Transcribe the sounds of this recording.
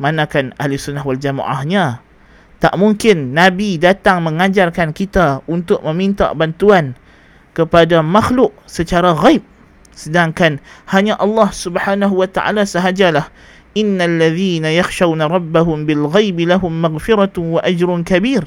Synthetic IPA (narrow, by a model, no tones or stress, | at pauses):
manãkanahlʊsunːaɦwald͡ʒama̰ʔa̰hɲã | t̪aʔmuŋkɪnːabidat̪aŋmə̃ŋad͡ʒarkankit̪aunt̪ʊʔ̚mə̃mint̪a̰bant̪uan | kəpadamaxlʊʔ̚sət͡ʃaɾaɣaɪp̚ | sədaŋkanhaɲaʔɑlːɑhsubħaːnaɦuwat̪aʔa̰lasəɦad͡ʒalah | ʔɪnːalːaðiːnajaxʃawnaɾˤɑbːaɦʊmbɪlɣajbilaɦʊmːaɣfɪɾawaʔad͡ʒɾʊnkabiːr